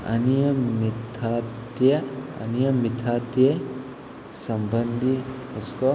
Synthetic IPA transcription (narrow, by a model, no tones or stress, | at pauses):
ɐ̰nijɐmit̪ʰaːt̪jɐɐ̰nijɐmit̪ʰaːt̪je | sɐmbɐnd̪ʱihuskɔ